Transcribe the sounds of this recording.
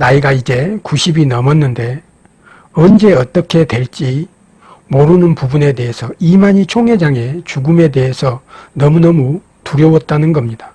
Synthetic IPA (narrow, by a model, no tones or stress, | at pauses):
naiɡaid͡ʑe̞kuɕʰibinʌmʌnːɯnde̞ | ʌnd͡ʑe̞ʌt͈ʌkʰe̞twe̞ɭt͡ɕ͈i | moɾunɯnpubune̞de̞ɦesʰʌimaɲit͡ɕʰoŋɦe̞d͡ʑaŋe̞t͡ɕuɡume̞de̞ɦe̞sʰʌnʌmunʌmu | tuɾjʌwʌt̚t͈anɯnɡʌmɲid̥a